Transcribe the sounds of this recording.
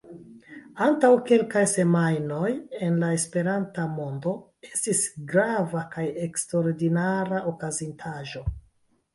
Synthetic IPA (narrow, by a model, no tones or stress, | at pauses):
antawke̞lkajse̞majno̞je̞nlae̞spe̞ɾantamo̞ndo̞ | e̞stisɡɾavakaje̞kstɾoɾdinaɾaʔokazintʰaʒo̞